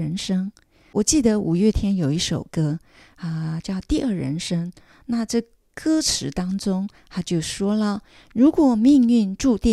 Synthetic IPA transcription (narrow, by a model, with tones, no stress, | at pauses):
ɻə˧˥nʂɤ˥ŋ | wɔ˨˩t͡ɕi˥˩d̪ə˧˦ʔu˨˩ɥɛ˥˩t̪ʰjɛ˥njo˨˩ʊi˥˩ʂo˨˩ʊkɤ˥ | ə˧t͡ɕjɑ˥˧ʊt̪i˥˧ʔə˞˥˩ɻə̰˧˥nʂɤ˥ŋ | na˥˧ʈ͡ʂɤ˥˩ | kɤ˥ʈ͡ʂʰɻ̩˧˥t̪ɑ˥ŋʈ͡ʂʊ˥ŋt̪a˥t͡ɕjo˥˩ʊʂwɔ˥lə˨ | ɻu˧˥kwɔ˨˩mi˥˧ŋy˥˧nʈ͡ʂu˥˧t̪i˥˩